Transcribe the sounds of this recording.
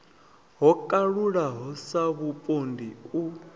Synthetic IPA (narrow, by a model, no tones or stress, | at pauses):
ɦɔkʼaɺuɺaɦɔsaβupʼondʱiu